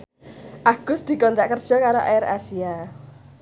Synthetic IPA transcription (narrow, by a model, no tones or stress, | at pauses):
ʔaɡ̥ʊ̤sd̪̥i̤kɔnt̪aʔkərd̥ʒ̥ɔ̤kaɾoʔaɪɾa̰sia